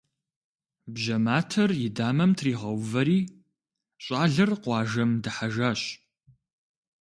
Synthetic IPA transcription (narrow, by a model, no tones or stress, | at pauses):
bʒɐmaːtʰɐrjɪdaːmɐmtʰriːʁɐwvɐɾiː | ɕʼɑːɮɐrqʷɑːʒɐmdɨħaʒaːɕ